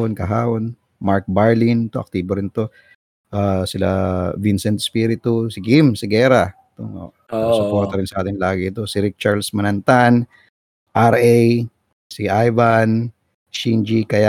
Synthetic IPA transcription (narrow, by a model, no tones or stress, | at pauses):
onkɐɦaːwon | maɹk̚baɹlint̪oʔɐk̚t̪iːboɾɪnt̪o̞ | ʔaːsɪla̰vinsɛnt̪spiɾɪt̪usɪɡimsɪɡɛːɾɐ | t̪o̰o̰ | sʊpoɾt̪ɐɾɪnsɐʔaːt̪ɪnlaːɡɪɪt̪o̞sɪɾik̚t͡ʃaɹlsmɐnɐnt̪an | ʔaɾʔɛj | siʔajvan | t͡ʃind͡ʒikɐja